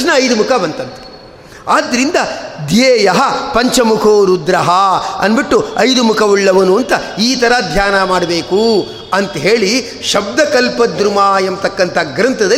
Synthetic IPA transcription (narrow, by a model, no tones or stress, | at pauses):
nɐɐjd̪umukʰɐbɐnt̪ɐnt̪e̥ | aːd̪ːɐɾind̪ɐd̪jeːjɐɦɐpɐɲt͡ʃɐmukʰoːɾud̪ɾɐɦɐɐ̰nbiʈːuɐjd̪umukʰɐʋuɭːɐʋɐnuɐnt̪ɐiːt̪ʰɐɾɐd̪ʱjaːnɐmaːɽɐbeːku | ɐnt̪ɐɦeːɭi | ʃɐb̚d̪ɐkɐlpɐd̪ɾumaːjɐmt̪ɐkːɐnt̪ʰɐɡɾɐnt̪ʰɐd̪ɐ